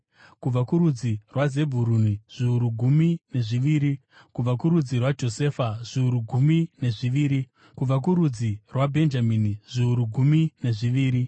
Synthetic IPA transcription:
kub͡vakuɾud͡zirwaze̞bʱuɾuniʐ̥iuɾuɡʱumine̞ʐiʋiːɾi | kub͡vakuɾud͡zirwad͡ʒo̞se̞faʐ̥iuɾuɡʱumine̞ʐiʋiːɾi | kub͡vak̬uɾud͡zirwabʱe̞nd͡ʒaminiʐ̥iuɾuɡʱumine̞ʐiʋiːɾi

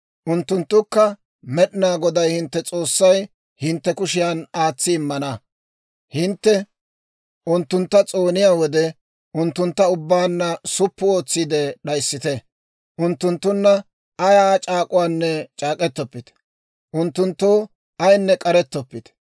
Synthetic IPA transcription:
ʔʊnt̪ːʊnt̪ːʊkːɐ | mɛɗɪnaːɡɔd̪ɐjhɪnt̪ːɛt͡sʼo̞ːsːɐj | hɪnt̪ːɛkʊʃɪjaːnaːt͡sːɪːmːɐnɐ | hɪnt̪ːɛ | ʔʊnt̪ːʊnt̪ːɐt͡sʼo̞ːnɪjaːwɔd̪ɛ | ʔʊnt̪ːʊnt̪ːɐʊbːaːnːɐsʊpːʊoːt͡sːid̪ɛɗɐjsːɪt̪ɛ | ʔʊnt̪ːʊnt̪ːʊnːɐ | ɐjaːt͡ʃʼaːkʼʊwaːnːɛt͡ʃʼaːkʼɛt̪ːɔpːɪt̪ | ʔʊnt̪ːʊnt̪ːoː | ɐjnːɛkʼɐɾɛt̪ːɔpːɪt̪

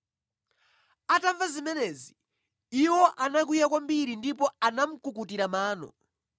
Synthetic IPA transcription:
ataɱvazimɛnɛzi | iwɔʔanak̬ujakwambiɾindipɔanam̩kukutiɾamaːnɔ̰

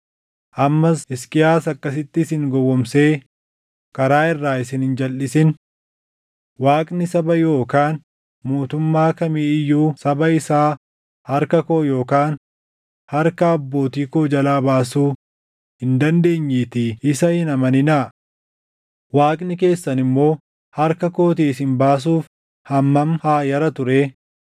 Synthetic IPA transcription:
ʔɐmːɐsɪskʼɪjaːsɐkːɐs̬ɪt̪ːɪsɪŋɡɔwɔmse̞ː | kɐɾaːɪrːaːɪsɪnhɪnd͡ʒɐlʔɪsɪn | waːkʼnɪsɐbɐjo̞ːkaːn | moːt̪ʊmːaːkɐmiːɪjːuːsɐbɐɪsaː | hɐɾkɐkoːjo̞ːkaːn | hɐɾkɐːbːo̞ːt̪iːkoːd͡ʒɐlaːbaːsuː | hɪnd̪ɐnd̪e̞ːɲːiːt̪ɪɪsɐhɪnɐmɐnɪnɐ | waːkʼnɪke̞ːsːɐnɪmːo̞ː | hɐɾkɐkoːt̪̬iːsɪnbaːs̬uːf | hɐmːɐmhaːjɐɾɐt̪ʊɾeː

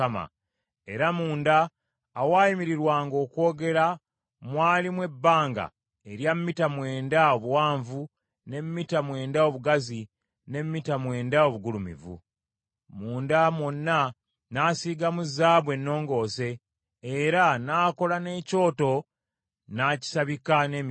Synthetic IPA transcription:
ama̰ | e̞ɾamuːndaː | waːjimiɾiɾwaːŋɡo̞ːkwo̞ːɡe̞ɾa | mwaːlimwe̞bːaːŋɡa̰ | eɾjamːitamwe̞ːndaoβuwaːɱvu | ne̞mːitamwe̞ːndao̞βuɡazi | ne̞mːitamwe̞ːndao̞βuɡulumḭvṵ | muːndamwonːa | naːsiːɡamuzːaːβwe̞nːo̞ːŋɡo̞ːse̞ː | ɾanaːko̞lane̞ːco̞ːto̞ | naːci̥saβikane̞m

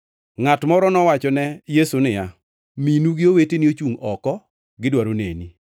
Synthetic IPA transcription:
ŋatmɔɾɔnɔwat͡ʃɔnɛjesunɪja | minuɡɪoweteniot͡ʃuŋɔkɔ | ɡɪdwaɾonḛni

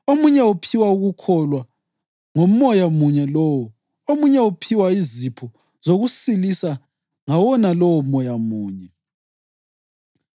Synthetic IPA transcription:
omuɲɛupʰiwauɣukʰɔlwa | ŋom̩ːɔjamuɲɛlɔwɔ | omuɲɛupʰiwaizipʰɔ | zoɣusilisa | ŋawɔnalɔwɔmɔjamuːɲɛ

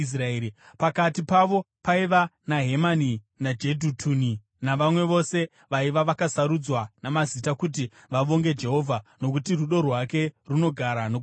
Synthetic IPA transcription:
s̬raeɾi | pakatipaʋo̞ | paiʋanaɦe̞mani | nad͡ʒedʱutʰuːni | naʋamwe̞ʋo̞se̞ | ʋaiʋaʋakasaɾud͡zwanamazitakut̬i | ʋaʋo̞ŋɡe̞d͡ʒe̞ɦo̞vʱano̞k̬utiruɗo̞rwake̞runo̞ɡʱaɾano

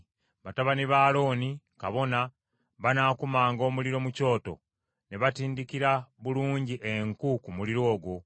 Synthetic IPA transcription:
βataβaniβaːlo̞ːni | kaβo̞na | βanaːkumaːŋɡo̞ːmuliɾo̞muco̞ːto̞̰ | ne̞βatiːndikiɾaβuluːɲɟiʔeŋkukumuliɾo̞ːɡwo̞

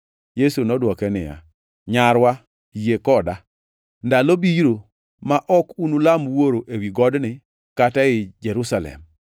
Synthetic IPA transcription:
jesunɔdwɔkɛnɪ̰ja̰ | ɲaɾwa | jekɔda | ndalobiɾo | maʔɔkunulamwoɾoʔewiɡɔdnɪ | kataɪd͡ʒɛɾusalɛ̰m

